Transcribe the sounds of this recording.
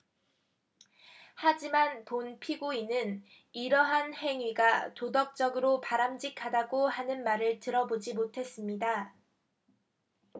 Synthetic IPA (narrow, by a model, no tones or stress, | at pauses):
had͡ʑimanponpʰiɡuinɯn | iɾʌɦanhe̞ŋɥiɡatodʌk̚t͡ɕ͈ʌɡɯɾopaɾamd͡ʑikʰadaɡohanɯnmaɾɯɭtɯɾʌbod͡ʑimotʰe̞s͈ɯmɲida